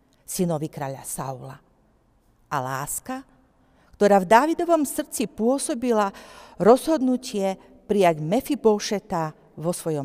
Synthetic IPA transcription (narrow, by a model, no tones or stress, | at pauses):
sinɔʋikɾaːʎa̰sa̰ula̰ | ʔalaːska | kt̪ɔɾaːvd̪aːʋid̪ɔʋɔmsr̩t͡sipʊɔsɔbilaɾɔzɦɔd̪nucɪɛ | pɾijaɟmɛfibɔʃɛt̪a | ʋɔsʋɔjɔm